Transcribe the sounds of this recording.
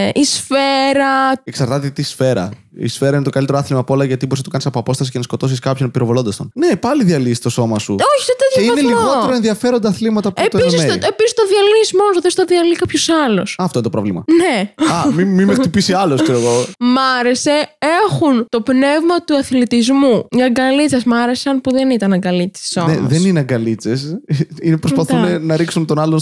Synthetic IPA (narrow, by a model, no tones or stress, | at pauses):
ʔisfeɾɐeksɐɾt̪ɐt̪eit̪isfe̞ɾɐ̰ | ḭsfeɾɐinet̪o̞kɐlit̪eɾoaθlimɐpolɐʝɐt̪iboɾsnɐt̪ukɐnisɐpoɐpo̞st̪ɐsicenɐsko̞t̪o̞siskɐpçonpiɾo̞volo̞nd̪ɐst̪onne̞pɐliðiɐlist̪o̞so̞mɐsṵoçi̥t̪ot̪eðeineliɣot̪eɾoenðiɐfe̞ɾo̞nd̪ɐːθlimɐt̪ɐpet̪isimseepisist̪oðiɐliismonosðest̪ɐðiɐlikɐpçosɐlosɐɐft̪oinet̪opɾovlimɐ̰neɐmimimext̪ipisiɐloskseɾoɣomɐɾe̞se̞e̞xunt̪o̞pne̞vmɐt̪uɐθlit̪izmuɲɐɡɐlit͡sɐsmɐɾe̞sɐnpuðenit̪ɐnɐɡɐlit͡se̥somneɐðennineɐŋɡɐlit͡sesinepɾospɐθunenɐɾiksunt̪o̞nɐlon